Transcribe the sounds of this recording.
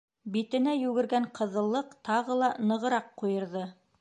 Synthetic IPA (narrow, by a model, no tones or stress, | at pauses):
bit̪ɘ̆næjʉɡɘ̆ɾɡæɴqʰɤ̆ðɤ̆lˠːɤqt̪ɑʁɤlˠɑnɤ̆ʁɤ̆ɾɑqːujɤ̆ɾðɤ